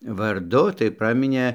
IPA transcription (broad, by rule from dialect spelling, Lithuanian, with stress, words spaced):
ʋɐrˈdʊ tɐɪ ˈprɑːmʲɪnʲeː